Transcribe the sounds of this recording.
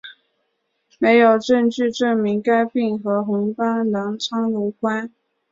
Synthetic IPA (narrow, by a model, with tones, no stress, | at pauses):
me˧˥ɪjo˨˩ʊʈ͡ʂɤ˥˧ŋt͡ɕy˥˧ʈ͡ʂɤ˥˩ŋmi˧˥ŋka˥ɪpi˥˩ŋxɤ˧˥xʊ˧˥ŋpa˥nlɑ˧˥ŋt͡sʰɑ˥ŋlu˧˥kʰwa˥n